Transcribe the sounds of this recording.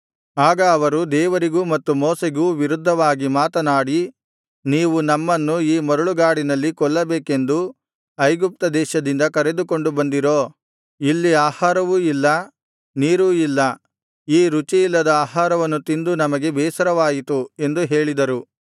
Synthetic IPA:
aːɡɐːʋɐɾud̪ɛːʋɐɾiɡuːmɐt̪ːumoːseɡuːʋiɾud̪ʱːɐʋaːɡimaːt̪ɐnaːɽi | niːʋunɐmːɐnːuiːmɐɾuɭuɡaːɽinɐlːikɔɭːɐbɛːke̞nd̪u | ɐjɡup̚t̪ɐd̪ɛːʃɐd̪ind̪ɐkɐɾe̞d̪uko̞ɳɖubɐnd̪iɾoː | ilːiaːhaːɾɐʋuilːɐ | niːɾuilːɐ | iːɾut͡ʃijilːɐd̪ɐaːɦaːɾɐʋɐnːut̪ind̪unɐmɐɡe̞bɛːsɐɾɐʋaːjit̪ue̞nd̪uɦe̞ːɭid̪ɐɾu

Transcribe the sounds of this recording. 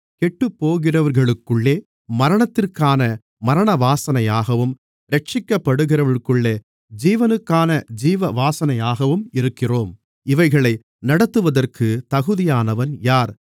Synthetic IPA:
kɛʈːɯpːoːɣɪrɐʋɐɾɣɐɭɯkːɯɭːeː | mɐɾɐɳɐt̪ːɪrkaːnɐ | mɐɾɐɳɐʋaːsɐnɐjaːɣɐʋɯm | ɾɛʈ̚t͡ʃɪkːɐpːɐɽɯɣɪrɐʋɪɾkːɯɭːeː | d͡ʒiːʋɐnɯkːaːnɐd͡ʒiːʋɐʋaːsɐnɐjaːɣɐʋɯmɪɾɯkːɪroːm | ɪʋɐɪɣɐɭɐɪ | nɐɽɐt̪ːɯʋɐðɐrkʰɯt̪ɐɣɯðɪjaːnɐʋɐnjaːɾ

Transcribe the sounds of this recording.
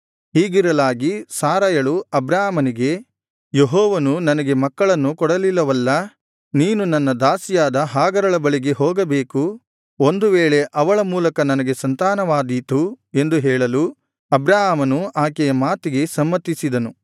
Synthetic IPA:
ɦiːɡiɾɐlaːɡisaːɾajɐɭuɐbɾaːmɐniɡe̞ | jeɦɔːʋɐnunɐnɐɡe̞mɐkːɐɭɐnːukɔɽɐlilːɐʋɐlːɐ | niːnunɐnːɐd̪aːsijaːd̪ɐɦaːɡɐɾɐɭɐbɐɭiɡe̞ɦɔːɡɐbeːku | o̞nd̪uʋeːɭe̞ʔɐʋɐɭɐmuːlɐkɐnɐnɐɡe̞sɐnt̪aːnɐʋaːd̪it̪u | e̞nd̪uɦɛːɭɐlu | ɐbɾaːɦaːmɐnuʔaːkɛjɐmaːt̪iɡe̞sɐmːɐt̪ːisid̪ɐnu

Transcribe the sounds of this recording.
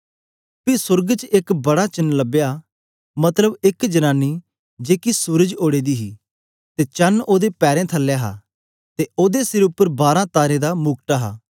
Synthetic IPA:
pisʊɾɡt͡ʃɪkbɐɽat͡ʃɐnləbja | mɐt̪ləbɪkd͡ʒɐnaːnːi | d͡ʒeːkisuːɾəd͡ʒoːɽed̪iɦiː | t̪et͡ʃɐnoːd̪epɛːɾẽt̪ʰɐlːejaɦa̰ː | t̪eoːd̪esɪɾʊpːəɾbaːɾãt̪aːɾẽd̪amʊɡ̚ʈaɦa̰ː

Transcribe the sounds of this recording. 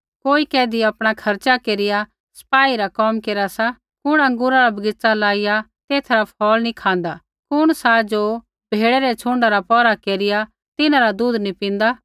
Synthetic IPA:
koːikɛːd̪iɐpɽ̃akʰɐɾt͡ʃakeːɾɪja | sɐ̥paːiɾakɔmkeːɾasa | kʊɽ̃ɐ̃ŋɡʊːɾaɾabɐɡɪt͡salaːɪjat̪eːt̪ʰɾapʰɔːlnikʰãːnd̪a | kʊɽ̃sad͡ʒoː | b̥ʱeːɽɛɾɛt͡ʃʰʊ̃ːɳɖaɾapɔːɾakeːɾɪja | t̪ɪnãɾad̪uːd̪nipĩːn̆d̪aː

